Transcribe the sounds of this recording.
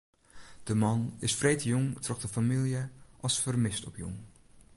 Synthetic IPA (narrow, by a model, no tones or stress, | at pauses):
d̥əmɑnɪsfrejtjɔŋtrɔχdəfamilˠjəʔɑlˠsfərmɪstɔpjɔ̰ŋ